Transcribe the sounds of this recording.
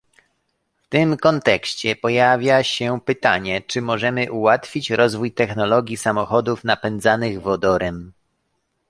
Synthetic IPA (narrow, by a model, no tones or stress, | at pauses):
ft̪ɘmkɔnt̪ɛkɕt͡ɕɛpɔjavʲjaɕɛpɘt̪aɲɛt͡ʂɘmɔʐɛmɘʔuwat̪fʲit͡ɕɾɔzvujt̪ɛxnɔlɔɡʲjisamɔxɔd̪ufnapɛnd̪zanɘɣvɔd̪ɔɾɛm